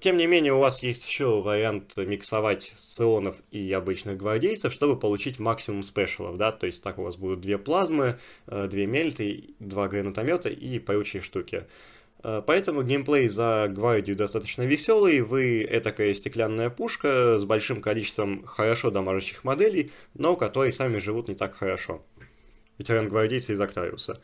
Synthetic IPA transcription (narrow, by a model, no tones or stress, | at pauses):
tʲe̞mnʲɪmʲenʲɪjəʊvasjesʲtʲɪ̥ɕːo̞vəɾʲɪant̪mʲɪksɐvatʲt̪sːɨonəfiɐbɨt͡ɕnɨɣɡvɐrdʲejt̪səfʂt̪o̞bɨpəlˠʊt͡ɕitʲmaksʲɪmʊmspʲɛʂɨlˠə̰vd̪at̪o̞ɪsʲt̚ʲt̪akʊva̰sbud̪ʊt̪̚d̪vʲe̞plˠazmɨd̪vʲemʲelʲt̪əd̪vaɡɾənət̪ɐmʲo̞t̪ə̰ʔipɐɾot͡ɕɪjʂt̪ukʲɪ̰ | əpɐɛt̪əmʊɡʲejmplˠejzɐɡvardʲɪjʊd̪ɐst̪at̪ət͡ɕnəvʲɪsʲo̞lˠɨjvɨɛ̰t̪ɐkajəsʲtʲɪklʲanːəjəpuʂkəzbɐlʲʂɨmkɐlʲit͡ɕɪ̥st̪vəmxəɾɐʂo̞d̪ɐmaʐɨɕːɪ̥xmɐd̪ɛlʲɪjno̞kɐt̪o̞ɾəjsamʲɪʐɨvut̪nʲɪt̪akxəɾɐʂo̞̰ | vʲɪtʲɪɾanɡvɐrdʲejt̪səɪzɐkt̪aɾʲɪ̰ʊ̰sə